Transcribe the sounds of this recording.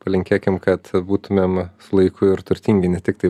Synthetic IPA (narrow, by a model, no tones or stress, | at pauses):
pɐlʲɪŋʲkʲeːkʲɪmkɐt̪buːt̪ʊmʲeːmsʊlˠɐɪkʰʊɪɾt̪ʊɾʲt̪ʲiːŋʲɡʲɪnʲɛt̪ʲɪkt̪ɐɪ